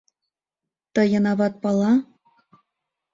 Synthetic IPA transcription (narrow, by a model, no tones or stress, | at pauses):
t̪ɤ̆jɤ̆nɑβɑt̪̚pɑlˠɑ